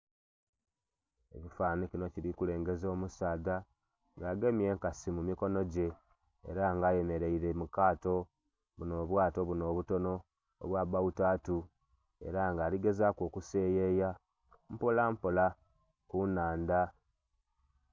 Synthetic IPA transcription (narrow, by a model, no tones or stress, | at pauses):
e̞̰βifaːnicino̞ciɾikule̞ːŋɡe̞zo̞ːmusaːda | ŋɡaːɡe̞mije̞ŋkasimumiko̞no̞ɟe̞̰ː | ɾaŋɡaːje̞me̞ɾe̞iɾe̞mukaːto̞ | βuno̞ːβwaːto̞βuno̞ːβuto̞no̞̰ː | βwaːβautaːtu | e̞̰ɾaŋɡaːliɡe̞zakoːkuse̞ːje̞ja | m̩polampola | kunaːnda